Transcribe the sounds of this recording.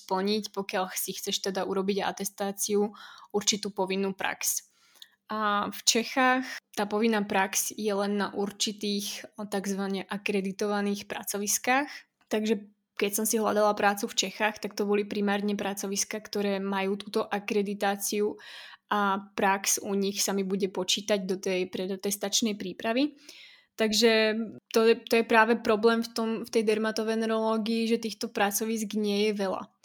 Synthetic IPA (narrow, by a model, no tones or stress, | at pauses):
spl̩ɲicpɔkɪaʎxsixt͡sɛʃt̪ɛd̪auɾɔbiɟaa̰t̪ɛst̪aːt͡siuuɾt͡ʃit̪uːpɔʋinːuːpɾa̰ks | ʔaft͡ʃɛxaːxt̪aːpɔʋinːaːpɾaksjɛlɛnːaʔuɾt͡ʃit̪iːxt̪aɡzʋaɲɛʔakɾɛd̪it̪ɔʋaniːxpɾa̰t͡sɔʋiskaːx | t̪aɡʒɛ | kɛcsɔmsiɦla̰d̪alapɾaːt͡suft͡ʃɛxaːxt̪akt̪ɔbɔlipɾimaːɾɲɛpɾat͡sɔʋiskakt̪ɔɾɛːmajuːt̪uːt̪ɔʔakɾɛd̪it̪aːt͡siuʔapɾaksuɲixsamibuɟɛpɔt͡ʃiːt̪aɟd̪ɔt̪ɛjpɾɛd̪t̪ɛst̪at͡ʃnɛjpɾiːpɾaʋi | t̪aɡʒɛt̪ɔɛt̪ɔjɛpɾaːʋɛpɾɔblɛːmft̪ɔmft̪ɛjd̪ɛɾmat̪ɔʋɛnɛɾɔlɔːɡiːʒɛt̪iːxt̪ɔpɾat͡sɔʋisɡɲɪɛjɛʋɛla̰